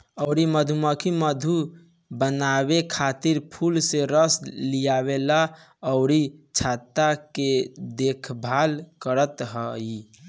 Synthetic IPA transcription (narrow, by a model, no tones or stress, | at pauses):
əʊɾiməd̪ʱuməkʰiməd̪ʱu | bənabekʰat̪iɾpʰulseɾəslijaβela | əʊɾit͡ʃʰat̪ːaked̪ekʰbʱalkəɾət̪ɦəi